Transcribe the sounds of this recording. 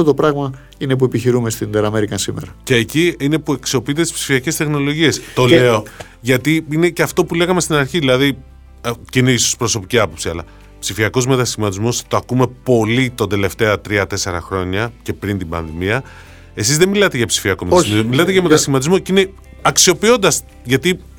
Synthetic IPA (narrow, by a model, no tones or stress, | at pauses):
ot̪opɾɐɣmɐ | ine̞p̬ue̞piçiɾumest̪ind̪eɾɐmeɾikɐnsimḛɾɐce̞ːciine̞pue̞ksio̞piit̪̬et̪i̥spsi̥fiɐce̞st̪e̞xno̞lo̞ʝie̞st̪o̞le̞o | ʝɐt̪iineceɐft̪o̞pule̞ɣɐmest̪inɐɾçiðilɐði | ceineiso̥spɾo̞so̞piciɐpo̞psiɐ̰lɐ̰ | psifiɐko̞zme̞t̪ɐsçimɐt̪izmo̞st̪oɐkume̞po̞lit̪ond̪e̞le̞ft̪e̞ɐt̪ɾiɐt̪e̞se̞ɾɐ̰xɾo̞ɲɐce̞pɾint̪ibɐ̰nðimiɐ | e̞sizðemilɐt̪e̞ʝɐpsi̥fiɐko̞mtsmomilɐt̪eʝɐme̞t̪ɐsimɐt̪izmo̞cine | ɐksio̞pio̞nd̪ɐs | ʝɐt̪i